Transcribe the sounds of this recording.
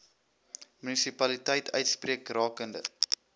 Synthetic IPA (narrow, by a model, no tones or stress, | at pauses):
mynisipɐlitəjtœɥtspriəkrɑːkəndə̰